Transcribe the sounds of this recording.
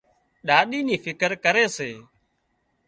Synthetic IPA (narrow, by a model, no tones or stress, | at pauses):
ɗaːɗiːniːfʰɪkəɾkəɾeːseː